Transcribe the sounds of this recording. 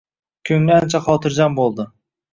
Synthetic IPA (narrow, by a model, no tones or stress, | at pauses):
kʲʰɵŋlɪant͡ʃʰaχɒːt̪ʰɪɾd͡ʒanbolˠd̪ɪ